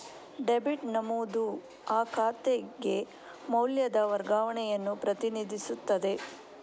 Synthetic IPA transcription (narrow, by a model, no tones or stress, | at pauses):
ɖebiʈnɐmuːd̪u | aːkʰaːt̪eɡe̞ | mɐwljɐd̪ɐʋɐɾɡaːʋɐɳɛjɐnːupɾɐt̪inid̪ʱisut̪ːɐd̪e̞